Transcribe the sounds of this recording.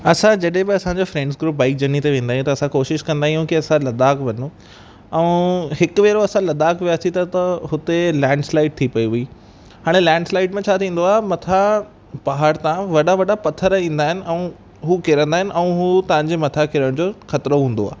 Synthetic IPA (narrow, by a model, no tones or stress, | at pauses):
ɐsãd͡ʑɐɗɦẽbɪɐsãɲd͡ʑofɾẽːɳɖsɡɾuːp̚baːɪk̚d͡ʑɐnit̪eʋẽːnd̪aɦjũt̪ɐsãkoːʃɪʃkɐ̃nd̪aɦijũkiɐsãlɐd̪aːkʋɐnũ | ɛũɦɪkʋeːɾoɐsãlɐd̪aːkʋijaːsit̪ɐt̪ɐɦʊt̪elɛ̃ːɳɖslaːɪʈ̚t̪ʰipɐiʋui | ɦaːɽ̃elɛ̃ːɳɖslaːɪʈmẽt͡ɕʰaːt̪ʰĩːn̆d̪oaːɦemɐt̪ʰa | baɦaɾt̪ãʋɐɗaʋɐɗapɐt̪ʰːəɾĩːnd̪aːɦɪnɪ̆ʔɛ̃ũ | ɦuːkeɾə̃nd̪aːɦɪnɪ̆ʔɛ̃ũɦuːt̪ɐ̃ʋãɲd͡ʑemɐt̪ʰakɪɾəɽ̃d͡ʑoxɐt̪ɾoɦũːn̆d̪oa̰ː